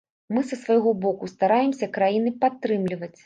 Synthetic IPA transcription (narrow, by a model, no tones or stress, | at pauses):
mɨsɐsvajɣɔbɔkust̪aɾajɛmsʲɐkɾajinɨpat̪ːɾɨmlʲivɐt͡sʲ